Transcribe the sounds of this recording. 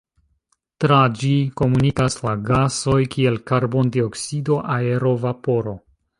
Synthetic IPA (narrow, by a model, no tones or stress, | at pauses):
tɾad͡ʒiko̞munikaslaɡaso̞jkʰie̞lkaɾbo̞ndio̞ksido̞ʔae̞ɾo̞vapo̞ɾo̞